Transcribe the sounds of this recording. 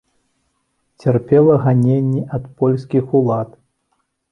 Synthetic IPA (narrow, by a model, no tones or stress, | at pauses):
t͡sʲɛrpʲɛlˠɐɣanʲenʲːɛʔɐt̪pɔlʲsʲkʲixulˠat̪